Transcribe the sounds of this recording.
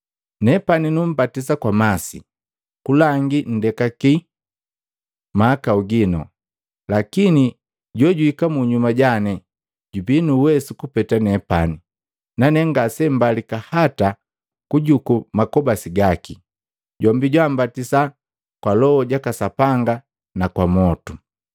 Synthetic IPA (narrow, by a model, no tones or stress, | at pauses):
nɛpaninum̩batis̬akwamasḭ | kulaŋɡin̩dɛkaki | maːkauɡinɔ̰ | lakini | ɟɔɟuhikamuɲumaɟanɛ | ɟubinuwɛsukupɛtanɛpani | nanɛŋɡasɛm̩balikahata | kuɟukumakɔbasiɡaki | ɟɔmbiɟwambatisa | kwalɔɔɟakasapaŋɡa | nakwamɔtu